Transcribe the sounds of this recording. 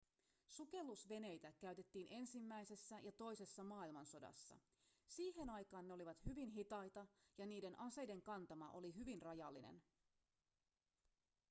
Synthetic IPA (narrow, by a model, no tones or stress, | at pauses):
suke̞lːusʋe̞ne̞jt̪ækæyɥt̪e̞t̪ːiːnʔe̞nsimːæjse̞sːæjʔɑt̪o̞jse̞sːɑmɑːilmɑnso̞dɑ̰sːɑ̰ | siːɦe̞nɑjkɑːnːeo̞liʋɑt̪hyʋinɦit̪ɑjt̪ɑjɑniːde̞nʔɑse̞jde̞ŋkɑnt̪ɑmɑʔo̞liɦyʋinrɑjɑlːinḛn